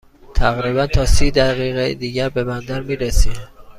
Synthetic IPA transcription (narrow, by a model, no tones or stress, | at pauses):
t̪ʰæɣɾiːbænt̪ʰɒːsiːd̪æɣiːɣed̪iːɟæɾbe̞bænd̪æɾmiːɾesiː